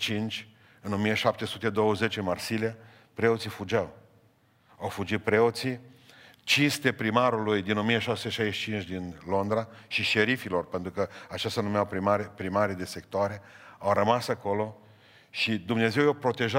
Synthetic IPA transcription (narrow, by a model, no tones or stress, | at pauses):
t͡ʃint͡ʃʲ | ɨno̞mieʃap̚t̪e̞sut̪e̞d̪o̞wəze̞t͡ʃɨnmarsilia | pɾe̞o̞t̪sifud͡ʒaw | awfud͡ʒit̪̚pɾe̞o̞t̪si | t͡ʃinst̪e̞pɾimaɾulujd̪ino̞mijeʃaseʃajʃit͡ʃint͡ʃʲd̪inlo̞nd̪ɾaʃiʃe̞ɾifilo̞rpe̞nt̪ɾukəat͡ʃast̪anumeawpɾimaɾpɾimaɾid̪e̞se̞kt̪oaɾe̞awɾəmasako̞lo̞ | ʃid̪umne̞ze̞wjawpɾo̞t̪e̞ʒa